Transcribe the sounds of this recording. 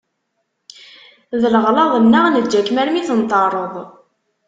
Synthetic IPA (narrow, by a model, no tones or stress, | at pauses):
ðələʁlɑðˤənːaʁnəd͡ʒækmæɾmiθənt̪ɑrˤəðˤ